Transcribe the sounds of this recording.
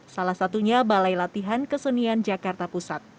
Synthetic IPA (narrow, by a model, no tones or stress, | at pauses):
salahsat̪uɲabalajlat̪iɦankəsəniand͡ʒakart̪apusat̪̚